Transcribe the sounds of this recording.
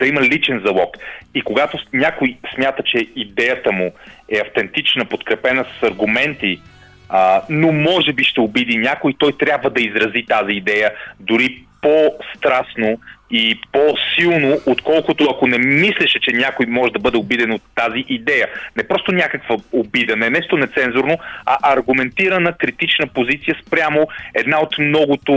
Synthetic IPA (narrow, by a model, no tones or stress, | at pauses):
d̪ɐiməlit͡ʃɛnzɐlˠɔkikoɡat̪onʲakʊjsmʲjat̪ət͡ʃɛid̪ɛjət̪əmuɛɐft̪ɛnt̪it͡ʃnəpot̪kɾɛpɛnəsɐ̥sɐɾɡʊmɛnt̪i | ənomɔʒɛbiʃt̪ɛʊbid̪inʲakʊit̪ɔjt̪ɾʲjabvəd̪ɐizɾɐzit̪aziːd̪ɛjəd̪ʊɾipost̪ɾasnoʊiposilˠnoʔot̪kɔlˠkʊt̪ʊɐkonɛmislɛʃɛt͡ʃɛnʲakojmɔʒɛd̪ɐbɤd̪ɛobid̪ɛnot̪ːaziʔid̪ɛjənɛpɾɔst̪onʲakəkvəobid̪ənɛnɛʃt̪onɛt̪sɛnzʊɾnoɐ̰ʔɐɾɡʊmɛnt̪iɾənəkɾit̪it͡ʃnəpozit̪sijəspɾʲjamoɛd̪naot̪mnɔɡʊt̪ʊ